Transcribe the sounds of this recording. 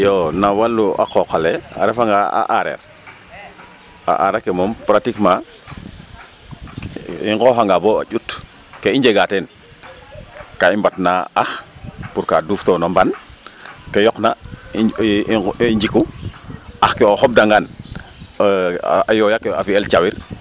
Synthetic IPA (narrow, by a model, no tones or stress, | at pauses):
jonawalːua̰kokalea̰ɾefaŋɡaa̰ʔaɾḛɾ | a̰ʔaɾekemɔmpɾatikma | ḭŋɡoɦaŋɡaboa̰d͡ʒut | keiɲd͡ʒeɡaten | kaimbatnaaxpuɾkaduftonomban | kejɔkna | ɲd͡ʒiku | axkeoxɔb̚daŋɡan | ajojakeafielt͡ʃawiɾ